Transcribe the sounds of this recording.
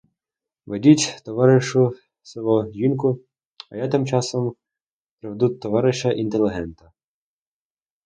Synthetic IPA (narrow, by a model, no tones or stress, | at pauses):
ʋedʲitʲt̪ɔʋɑɾɪʃʊ | sɪlˠɔʒinkʊ | ɐjat̪ɪmt͡ʃɑsɔm | pɾeʋd̪ut̪ːɔʋɑɾɪʃɐʔint̪elʲˠɪɦɛnt̪ɐ